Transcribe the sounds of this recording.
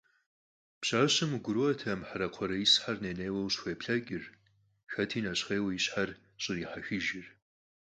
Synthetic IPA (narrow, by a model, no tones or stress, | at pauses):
pɕaːɕɨmɡʷʊɾuɐtʰɐmħaɾɐqʷʰɔɾɐisħarneːneːwɐwɕxʷeːpɬɐkʲʼɪr | xɐtʰiːnɐɕχeːwɐjiɕħar | ɕʼɪriːħaxɨʒɪr